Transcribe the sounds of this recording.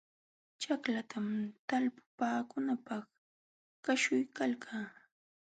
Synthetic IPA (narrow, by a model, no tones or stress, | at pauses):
t͡ʃaklat̪ʰamt̪alpʊ̥paːkʊnapɑχ | kaʃʊjkalkʰaː